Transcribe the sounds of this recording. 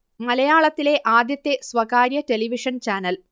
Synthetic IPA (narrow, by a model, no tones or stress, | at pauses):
mɐlɐjaːɭɐt̪ːile̞ʔaːd̪jɐt̪ːe̞sʋɐkaːɾjɐte̞liʋiʂɐnt͡ɕaːnɐl